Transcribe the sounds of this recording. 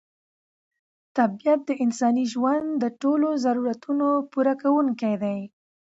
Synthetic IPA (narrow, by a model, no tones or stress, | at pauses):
t̪abijat̪̚d̪əʔɪnsɑniʒwand̪d̪əʈolozaɾuɾat̪unopuɾakawuŋkajd̪aj